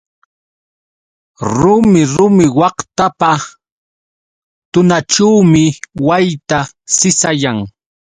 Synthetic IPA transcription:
ɾʊmɪɾʊmɪwɑχt̪apa | t̪ʊnaʈ͡ʂawmɪwajt̪a | sɪsajaŋ

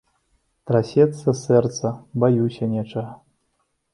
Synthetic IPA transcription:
t̪ɾasʲɛt̪sɐsɛrt̪sɐbajusʲɐnʲɛt͡ʂɐɣɐ

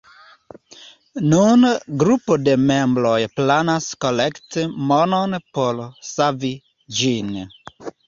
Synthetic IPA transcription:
nunɡɾupodemɛ̃mbɾɔjplanaskɔlɛktmɔnɔnpɔlsavi | d͡ʒin

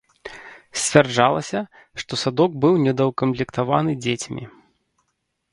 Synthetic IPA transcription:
sʲt͡sʲvʲard͡ʐalˠɐsʲɐ | ʂt̪ɔsad̪ɔɡ̚bɨwnʲɛd̪ɐwkɐmplʲɛkt̪avanɨd͡zʲet͡sʲmʲḭ

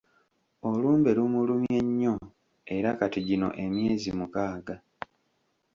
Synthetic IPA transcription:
o̞luːmbe̞lumulumje̞ɲːo̞ | e̞ɾakatiɟino̞̰ʔe̞mje̞ːzimukaːɡa

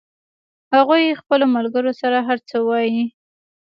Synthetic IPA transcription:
haɣujexpəlomalɡəɾosaɾaɦaɾt͡səwɑji

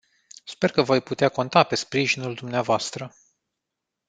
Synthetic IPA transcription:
spe̞rkəvo̞jput̪eako̞nt̪ape̞spɾiʒinuld̪umneavoast̪ɾə

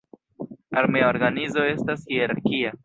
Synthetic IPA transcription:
aɾmeoɾɡanizo̞e̞stashiaɾaɾkia

